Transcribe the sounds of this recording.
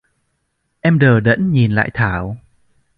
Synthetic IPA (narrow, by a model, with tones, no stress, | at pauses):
ʔɛ˧mɗəː˨˩ɗə̰˧˥nɲi˨˩nla̰ː˧˨jt̪ʰaː˧˩w